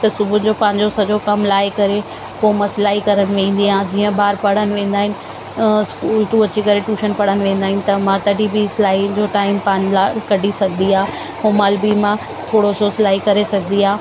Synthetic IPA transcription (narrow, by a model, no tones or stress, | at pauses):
t̪ɐsʊbʱʊnɪ̆d͡ʑopãːɪ̃ɲd͡ʑosɐd͡ʑokɐmlaːɪkɐɾe | koːmɐslaːikɐɾənɪ̆ʋẽːnd̪iãːd͡ʑiːə̃baːɾpɐɽ̤ənɪ̆ʋẽːn̆d̪aːɦɪnɪ̆ | skuːlʈ̪ũɐt͡ɕikɐɾeʈuːʃənpɐɽ̤ənɪ̆ʋẽːn̆d̪aːɦɪnɪ̆t̪ɐmãt̪ɐɖʱibislaːid͡ʑoːʈaːɪmpãːnlakɐɖʱisɐɡʱənd̪iaː | oːmaːlbimã | t̪ʰoːɽosoːslaːikɐɾesɐɡʱənd̪iɦaː